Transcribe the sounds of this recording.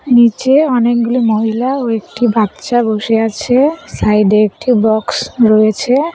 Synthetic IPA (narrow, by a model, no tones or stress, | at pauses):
nit͡ɕeɔnek̚ɡulimɔɦilaoek̚ʈibʱat̪ːʃaboʃeat͡ɕʰesajɖeek̚ʈibɔksɾojet͡ɕʰe